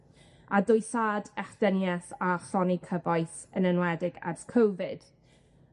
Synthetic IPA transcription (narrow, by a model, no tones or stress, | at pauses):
adʊjsaːdɛχd̥ənjɛsaχɔnikʰəvɔjθənənwɛdɪɡɛ̰rθkʰowvɪd̥